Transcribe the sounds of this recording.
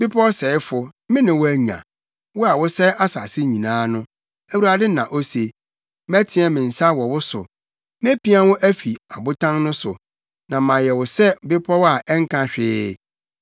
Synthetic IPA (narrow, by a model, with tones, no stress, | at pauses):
b̥ɪ˦pʰɔ˦sɛː˨ɪ˦fʊ˨mɪ̃˦nɪ̃˨wʊ˦æ˨ɲã̰˨ | wʊ˦a˨wʊ˦sɛ˦ʔa˦sa̰˨sɪ˦ɲĩ˨nãː˦nʊ̃˦ | æ˨wu˨ɾa˨dɪ˦nã̰˨ʔo˦se˨ | m˦æ˦tʰɪ̃˦ɛ˦mɪ̃˨n̩˨sa˦wɔ˨wʊ˦sʊ̰˨ | m˦ẽ˦pi˦ã˦wʊ˦ʔæ˦fi˨a˨bʊ˦tʰã˦ŋnʊ̃˦sʊ˨ | nã˨mã˨jɛ˨wʊ˨sɛ˦˨bɪ˦pʰɔ˦wa˨ʔɛ˦ŋ̩˦kʰã˦ɕᶣɪː˦